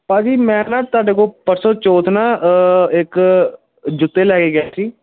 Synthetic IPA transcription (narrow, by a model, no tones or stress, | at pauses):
pãːd͡ʒiːmɛ̃ːnaːt̪ʊaːɖeːkoːpəɾsoːt͡ʃoːt̪ʰnaːɪk | d͡ʒʊt̪ːeːlɛːkeːɡɛːʈiː